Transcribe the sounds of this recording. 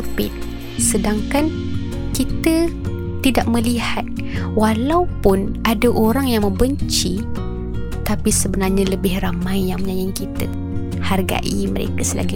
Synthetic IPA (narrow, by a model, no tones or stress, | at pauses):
əpɪ̰t̪̚ | sədaŋkan | kit̪ə | t̪idaʔ̚məlihat̪̚ | walaupʊnadaʔoɾaŋjaŋmə̃mbəɲt͡ʃi | t̪apisəbənarɲãləbɪhramãjjaŋməɲãɲaŋkit̪ə | harɡa̰ʔiməɾḛkasəla̰ɡi